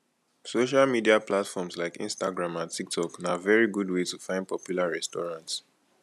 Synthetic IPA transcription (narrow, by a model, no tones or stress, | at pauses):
soʃ̬almidiaplatfɔmslaɪkḭ̃nstaɡɹãmãntʰik̚tʰɔknavɛɹiɡudwetufãɪ̃nd̚pʰɔpʰjulaɹɛstɔɹãnts